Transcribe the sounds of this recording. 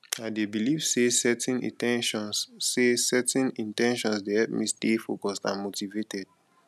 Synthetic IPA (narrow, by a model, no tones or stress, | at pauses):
aɪdebiliv̥sesɛtɛ̃nḭ̃tɛ̃ɔnsesɛtɛ̃nĩntɛ̃nʃɔ̃nsdehɛp̚mistefokɔstã̰nmotivetɛd̥̚